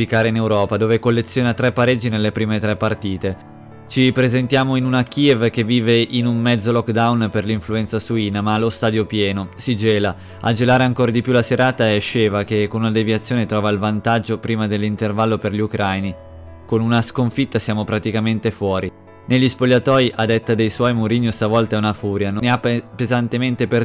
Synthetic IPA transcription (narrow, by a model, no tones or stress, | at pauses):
ikaːɾeinewɾɔːpad̪oːvekolːet̪sːjoːnat̪ɾɛpːaɾed͡ʒinelːepɾiːmet̪ɾɛpːart̪iːt̪e | t͡ʃipɾezent̪jaːmoinunak̟ievk̟evːiːveʔinummɛd̪zːolɔkːd̪awnperliɱfluɛnt̪sasuiːnamalost̪aːd̪jopjɛːnosid͡ʒeːla | ad͡ʒelaːɾeaŋkoːɾad̪ipjulaseɾaːt̪aeʃːeːvakekːonunad̪eviat̪sːjoːnet̪ɾɔːvailvant̪ad͡ʒopɾiːmad̪elːint̪ervalːoperʎiukɾajni | konunaskoɱfit̪ːasjaːmopɾat̪ikament̪efwɔːɾi | neʎːispoʎːat̪ɔːjʔad̪et̪ːad̪ejswɔjmoɾinːjost̪avɔlt̪aɛunafuːɾjanoneapːezant̪ement̪eper